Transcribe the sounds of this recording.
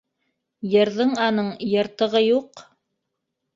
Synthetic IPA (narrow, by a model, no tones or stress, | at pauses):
jɤ̆ɾðɤɴɑnɤɴjɤ̆ɾt̪ɤ̆ʁɤjuq